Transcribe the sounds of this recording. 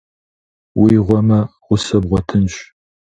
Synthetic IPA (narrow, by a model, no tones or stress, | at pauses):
wiːʁʷɔmɐʁʷʊsɐbʁʷɔtʰɨnɕ